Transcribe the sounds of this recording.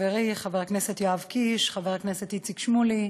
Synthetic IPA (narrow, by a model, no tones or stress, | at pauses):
veʁiχaveʁkneset̪joavkiʃχaveʁakneset̪jit͡sikʃmuli